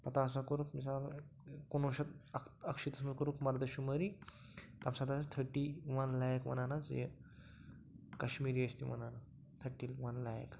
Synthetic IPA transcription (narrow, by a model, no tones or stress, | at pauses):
pɐt̪asakoɾukmisal | konʋəɕat̪kəkʂit̪əsməkəɾukmaɾd̪əɕuməɾi | t̪amsad̪ast̪ʰəɾʈiʋanlajəkmɐ̰nanad͡zḛ | kəɕmiɾiəst̪imɐ̰nana | t̪ʰəɾʈiːlʋɐnlajə̰k